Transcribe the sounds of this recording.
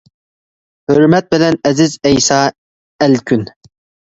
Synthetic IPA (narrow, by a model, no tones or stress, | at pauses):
høɾmɛt̪̚bɪlɛnɛzɪzɛjsɑː | ɛlkʲʰyn